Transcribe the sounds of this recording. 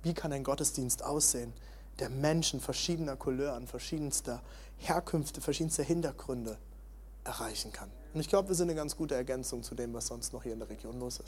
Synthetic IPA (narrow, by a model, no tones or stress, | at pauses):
viːkʰanaɪnɡɔtəsd̥iːnstʔa̰ʊsz̥eːən | d̥eːɐmɛnʃn̩fɛɐʃiːdənɐkʰʊløːɐanfɛɐʃiːdən̩stɐ | heːɐkʰʏnftəfɛɐʃiːdn̩stəɦɪntɐɡʁʏndə | ʔɛɐʁaɪçn̩kʰan | ʊntɪçɡ̥laʊbəviːɐzɪntnəɡant͡sɡ̥uːtəɛɐɡɛnt͡sʊŋt͡sudeːmvasz̥ɔnstnɔχhiːɐɪndeːɐʁeɡ̥joːnloːsɪst